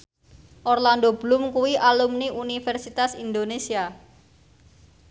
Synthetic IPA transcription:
ʔɔrland̪ob̥lʊmkuwiʔalumniunifɛrsit̪asind̪onesia

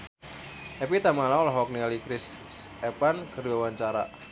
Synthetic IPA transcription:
ʔɛpit̪amalaɔlɔɦɔk̚nialikɾɪsepankərdwawaɲt͡ʃaɾa̰

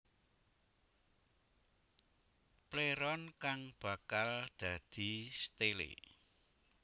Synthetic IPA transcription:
pleɾɔnkaŋb̥a̤kald̪̥ä̤d̪̥i̤st̪elḛ

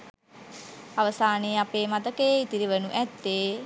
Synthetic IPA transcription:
aʋəsaːneapeːmat̪əkeːit̪iɾiʋənuʔɛt̪ːeː

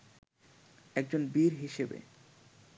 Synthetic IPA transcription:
ɛk̚d͡ʑonbiɾɦiʃebḛ

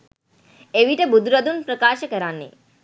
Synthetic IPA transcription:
eʋiʈəbud̪ɾəd̪unpɾəkaːʃəkəɾanːḛ

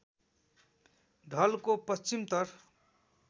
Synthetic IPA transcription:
ɖʱʌlkopʌst͡ʃimt̪ʌr

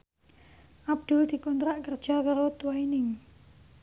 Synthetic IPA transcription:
ʔab̚d̪̥ʊ̤ld̪̥i̤kɔnt̪ɾaʔkərd̥ʒ̥a̤kaɾot̪uwainɪŋ

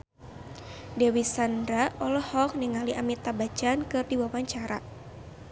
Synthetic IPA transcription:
dɛwisandɾaɔlɔhɔk̚niŋaliʔamit̪abat͡ʃankɨrdiwawaɲt͡ʃaɾa

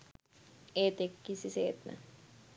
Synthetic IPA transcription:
et̪ekːisiseːt̪na̰

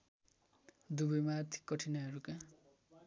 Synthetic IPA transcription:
d̪ubʌjmaːrt̪ʰi̥kːʌʈʰinʌʌɾuka

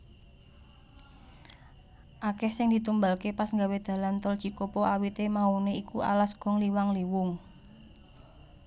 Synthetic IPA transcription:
ʔakɛhsɪŋd̪i̤t̪umbalkepasŋɡawed̪̥ä̤lant̪ɔlt͡ʃikopɔʔawit̪emauneikuʔa̰lasɡ̥ɔ̤ŋliwaŋliwʊŋ

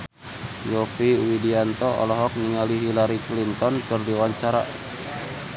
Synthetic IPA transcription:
jɔfiwidiant̪ɔɔ̰lɔɦɔk̚niŋaliɦilaɾiklint̪ɔnkɨrdiwaɲt͡ʃaɾa̰

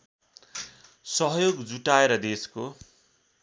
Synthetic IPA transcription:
sʌɦʌjoɡd͡zuʈaeɾʌd̪esko

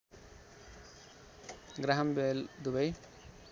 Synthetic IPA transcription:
ɡɾaɦambeld̪ubaj

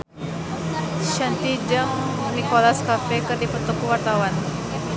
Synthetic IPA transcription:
ʃant̪id͡ʒəŋnikolaskapɛkərdipət̪ukuwart̪awan

